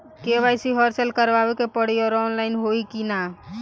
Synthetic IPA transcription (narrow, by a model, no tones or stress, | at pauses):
keʋajsiɦəɾsəlkəɾʋaʋekepəɽ̤ijoɾɔːnlaɪnɦoikina